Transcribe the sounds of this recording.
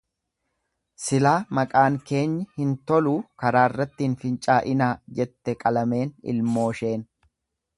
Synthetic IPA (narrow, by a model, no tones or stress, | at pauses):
sɪlaːmɐkʼaːŋke̞ːɲːɪhɪnt̪ɔluːkɐɾaːɪrːɐt̪ːiːnfɪnt͡ʃʼaːʔɪnaːd͡ʒɛt̪ːɛkʼɐlɐme̞ːnɪ̰lmo̞ːʃe̞ːn